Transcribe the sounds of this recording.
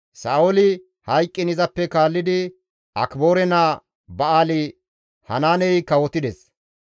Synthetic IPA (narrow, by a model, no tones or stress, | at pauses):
saːɔlɪ | hɐjkʼːɪnɪzɐpːɛkaːlːɪd̪ɪ | ɐ̰kbo̞ːɾɛna | bɐaːlɪ | hɐnaːnɛjkɐwɔt̪ɪd̪ɛs